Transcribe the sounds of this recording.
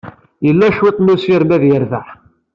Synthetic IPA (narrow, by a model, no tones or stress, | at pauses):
jəlːæʃwit̪ˤnusiɾmæðjəɾvəħ